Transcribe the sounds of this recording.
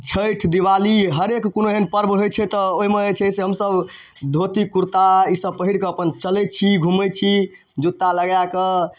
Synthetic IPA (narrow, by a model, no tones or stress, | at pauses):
t͡ʃʰəjʈʰd̪iwaliɦəɾekːonoɦenpəɾbɦojt͡ʃʰɛt̪ɔoɦimeət͡ʃʰɛseɦəmsəb | d̪ʱot̪ikuɾt̪aisəb̚pəɦiɽkeəpənt͡ʃəlɛt͡ʃʰiɡʱumət͡ʃʰi | d͡ʒut̪ːaləɡjake